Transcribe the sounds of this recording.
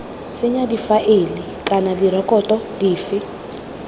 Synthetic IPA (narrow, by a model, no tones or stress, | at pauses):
sɪɲadifaʔelɪ | kʼanadiɾɔkʼɔtʼɔdiːfɪ